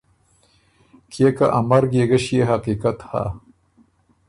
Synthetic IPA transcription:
kʰeka̰ʔamɐɾɡeɡɐɕjeɦaqiːkat̪ha̰

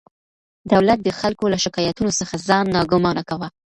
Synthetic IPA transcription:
d̪awlat̪̚d̪əxalkolaʃɪkɑjat̪unosəxazɑnːɑɡʊmɑnakawa

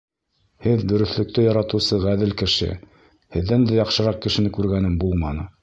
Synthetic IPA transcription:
hɘðd̪ɵ̆ɾɵ̆θlɵ̆k̚t̪ɘjɑɾɑt̪ɤ̆wsɤʁæðɘlkɘ̆ʃɘ̰ | hɘ̆ðːænd̪æjɑqʃɤ̆ɾɑq̚kɘ̆ʃɘ̆nɘkʉɾɡænɘmbulˠmɑnɤ

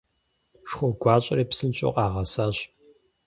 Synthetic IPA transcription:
ʂxʷɔɡʷɑːɕʼɐ̰reːpsɨnt͡ʃʼo̰qʼɑːʁɐsaːɕ

